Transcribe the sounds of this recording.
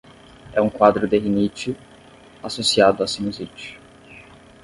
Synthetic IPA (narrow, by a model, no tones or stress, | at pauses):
ɛũkwad̪ɾʊd̪eɦinit͡ʃʊ | asosiad̪ʊasimuzit͡ʃʊ̥